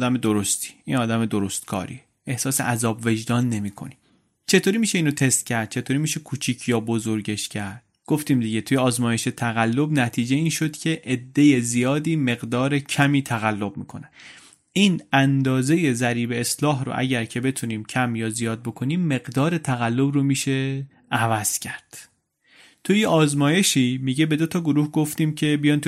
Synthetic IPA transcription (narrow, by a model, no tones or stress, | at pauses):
d̪æmed̪oɾost̪ʰi̥ːiːnɒːd̪æme̞d̪oɾost̪kʰɒ̰ːɾḭe | e̞hsɒːsḛʔæzɒːbve̞d͡ʒd̪ɒːnːe̞miːkʰo̞̰nim | t͡ʃʰe̞t̪ʰoːɾiːmiːʃe̞iːnot̪ʰe̞st̪cʰæɾd̪̥̚t͡ʃʰe̞t̪ʰoːɾiːmiːʃe̞kʰuːt͡ʃʰiːcʰjɒːbo̞zoɾɟe̞ʃcʰæɾd̪̥̚ | ɡ̥oft̪iːmd̪iɟe̞t̪ʰujeɒːzmɒːje̞ʃe̞t̪ʰæɣælːo̞bnæt̪ʰiːd͡ʒe̞iːnʃod̪̥cʰe̞ʔed̪ːe̞je̞zijɒːd̪iːme̞ɣd̪ɒːɾe̞cʰæmiːt̪ʰæɣælːo̞bmḭːkʰo̞̰ne̥ | iːnænd̪ɒːze̞je̞zæɾiːbe̞ːslɒːɦɾo̰ʔæ̰ɟæɾcʰe̞be̞t̪ʰuniːmcʰæmjɒːzijɒːd̪̚bo̞kʰo̞niːmːe̞ɣd̪ɒːɾe̞t̪ʰæɣælːo̞bromiːʃe̞ | ævæz̥cʰæɾd̪̥ | t̪ʰujeʔɒːzmɒːje̞ʃiːmiɟe̞be̞d̪o̞t̪ʰɒɡoɾuːhɡo̞ft̪iːmcʰe̞bijɒːnt̪ʰu